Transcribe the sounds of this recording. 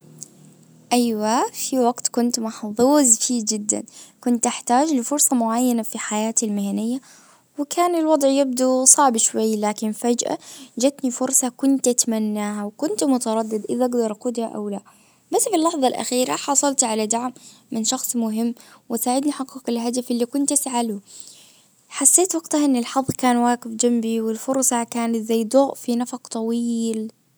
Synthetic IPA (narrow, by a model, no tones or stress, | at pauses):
ʔajwafiwaɡt̪kʊnt̪mɑħðˤuːzfiːd͡ʒɪd̪ːa̰nkʊnt̪ʔaħt̪aːd͡ʒlɪfʊɾsˤɑmʊʕajːanafiħajaːt̪almɪhanɪjːa | wɪkʰaːnɪlwɑd̪ˤʕjɪb̚d̪usˤɑʕbʃwajːlaːkɪnfad͡ʒʔa̰d͡ʒat̪nifʊɾsˤɑkʊnt̪ʔat̪manːaːhawkʊnt̪mʊt̪ɑɾˤɑd̪ːɪd̪ʔɪðaʔaɡd̪ɑɾˤʔɑquːd̪haʔa̰wla | basːfilːɑħðˤɑlʔa̰xiːɾaħɑsˤɑlt̪ʕalad̪aʕmːɪnʃɑxsˤmʊɦɪmːwɪsaːʕɪd̪niħɑqːɑkɪlɦad̪afʔɪlːikʊnt̪ʔasʕalu | ħasːeːt̪wɑɡt̪haʔɪnːɪlħɑðˤːkaːnwaːɡɪfd͡ʒambiwɪlfʊɾsˤɑkaːnat̪zajːd̪ˤʊːʔfinafɑqt̪ˤɑwiːl